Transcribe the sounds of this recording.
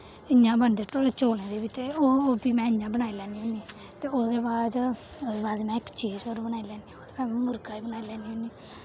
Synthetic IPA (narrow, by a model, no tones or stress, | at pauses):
ɪɲãːbəɳd̪eːʈoːɽeːt͡ʃoːlẽːd̪eːbiːt̪eːoːbiːmɛ̃ːɪjãːbəñaːiːlɛːniõːniː | t̪eːoːd̪eːbaːd͡ʒ | d̪eːbaːd̪mɛ̃ːɪkt͡ʃiːzoːɾbənaːiːlɛːnd̪iãoːd̪eːbaːmɛ̃mʊɾkaːiːbənaːilɛːniːõːniː